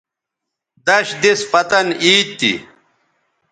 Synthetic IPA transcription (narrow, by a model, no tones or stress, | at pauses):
d̪ɐɕd̪ispɐt̪ɐniːt̚t̪ːḭ